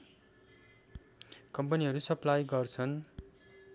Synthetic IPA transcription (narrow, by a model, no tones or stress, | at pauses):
kʌmpʌniɦʌɾusʌplajɡʌrt͡sʰʌn